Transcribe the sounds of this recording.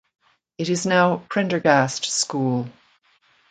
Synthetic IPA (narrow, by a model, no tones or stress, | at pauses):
ɨɾɪznaʊpʰɹ̥ɛ̃ndə˞ɡæstskulˠ